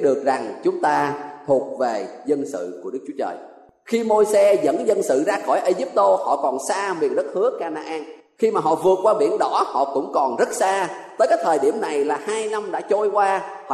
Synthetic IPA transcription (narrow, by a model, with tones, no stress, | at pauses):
ɗɨ˨˩ək̚za˨˩ŋt͡ɕʊ˨˦ŋ͡mt̪aː˧t̪ʰu˨˩ət̚ve˨˩zə˧nsɨ̰˧˨ku˧˩əɗɨ˦˥k̚t͡ɕu˦ət͡ɕə̰ː˨˩j | xi˧mo˧jsɛ˧zə̰˧˥nzə˧nsɨ̰˧˨zaː˧xɔ˧˩jʔə˧zi˦˥p̚t̪o˧hɔ̰˧˨kɔ˨˩nsaː˧mwḭ˨˩ən̚zə˦˥t̚hɨ˨˦əkaː˧naː˧ʔaː˧n | xi˧maː˨˩ɦɔ̰˧˨vɨ˨˩ət̚kwaː˧ɓḭ˧˩ənɗɔ˧˥hɔ̰˧˨kʊ̰˧˥ŋ͡mkɔ˨˩nzə˦˥t̚saː˧t̪əː˨˦jkaː˨˦˥jt̪ʰəː˨˩jɗi˧˩əmna˨˩jlaː˨˩haː˧jna˧mɗa̰ː˧˥t͡ɕo˧jkwaː˧h